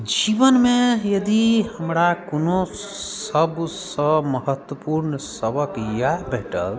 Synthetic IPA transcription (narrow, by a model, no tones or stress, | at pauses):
d͡ʒibənmejəd̪ihəmɾakonosəbsə̃məɦət̪wəpuɾnsəbəkjabʱeʈə̰l